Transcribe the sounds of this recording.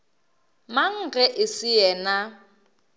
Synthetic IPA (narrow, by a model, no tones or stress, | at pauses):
maŋ̩ɣɛʔɪsɪjɛːna